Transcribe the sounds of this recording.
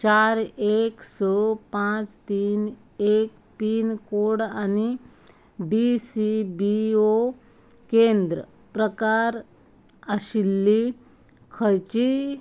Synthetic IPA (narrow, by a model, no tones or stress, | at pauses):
t͡ɕaɾeksɔpãt͡st̪iːn | ek̚ | piːnkoɽani | ɖisibio | kend̪ɾə | pɾəkaɾ | əɕilːi | kʰəjt͡ɕi